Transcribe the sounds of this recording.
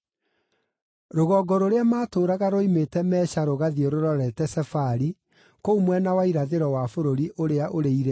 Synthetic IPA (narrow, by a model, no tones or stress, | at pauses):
ɾoɣɔɡɔɾoɾeamaːtoːɾaɣaɾoimetɛmɛːɕaɾoɣaðioɾoɾɔɾɛtɛsɛfaɾi | koumwɛnawaiɾaðeɾɔwafoɾoɾiʔoɾeaʔoɾeiɾe